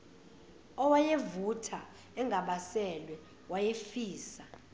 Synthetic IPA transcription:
ɔwajevutʰa | ɛŋʱaɓasɛlwɛ | wajefiːsa

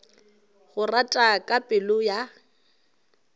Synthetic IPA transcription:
ɣʊratʼakʼapʼɪlʊja

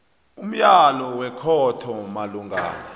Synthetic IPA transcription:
um̩jalɔwɛkʰɔtʰɔmaluŋɡa̰ːna

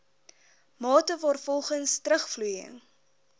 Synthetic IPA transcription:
mɑːtəvɑːrfɔlˠχənstɾəχflujə̰ŋ

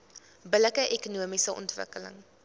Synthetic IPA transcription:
bələkəʔekunuəmisəʔɔ̰ntvə̰kələ̰ŋ

